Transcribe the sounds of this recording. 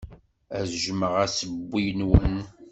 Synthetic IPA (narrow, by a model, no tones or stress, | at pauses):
æzʒməʁæsəbːijnwən